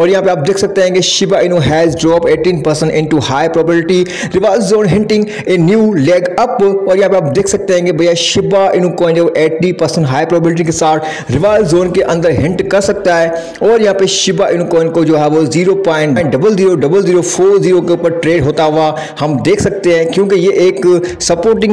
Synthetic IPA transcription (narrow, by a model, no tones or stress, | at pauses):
ɔːɾɪɦãpeaːp̚d̪eːkʰsɐɡ̚t̪eaɦẽŋɡeʃɪbaɪnõɦɛːzɖɾɔːpeːʈĩːnpɐɾsə̃ɳʈɪ̃ɳʈuhaːipɾoːbɪlɪʈi | ɾɪʋaːɪlzzoːnɦɪ̃ɳʈɪ̃ŋɡ | eːnjuːlɛːɡɐpɔːɾɪjɦãpeaːp̚d̪eːkʰsɐɡ̚t̪eaɦɪ̃ːŋɡebɐiãʃɪbaʔɪn̤ũkoːɪ̃neʔeːʈɖipɐɾsə̃ɳʈɦaːjpɾɔːbbɪlɪʈ̬ikesaːɾʈʰ | ɾɪʋaːɪlzzoːnkeʔɐ̃nd̪əɾɦɪ̃ɳʈkɐsɐɡ̚t̪aɦe | ɔːɾɪjɦãːpeʃɪbaʔɪ̃ñũkoːɪ̃nkod͡ʒoɦɛːʋoziːɾopãːɪ̃ɳʈːɪ̃ɳʈɖɐbəlziːɾoɖɐbəlziːɾofʰoːɾziːɾokeʊpəɾʈɾeːɖɦoːt̪aʋa | hɐmd̪eːkʰsɐk̚t̪eɦãɦkjũːkejeʔeːksɐpoːɾʈɪ̃ŋ